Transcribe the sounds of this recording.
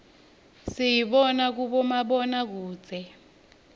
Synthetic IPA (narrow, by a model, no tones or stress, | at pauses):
sijiɓɔnak̬uɓɔmaɓɔnak̬u̥ːd͡zʱɛ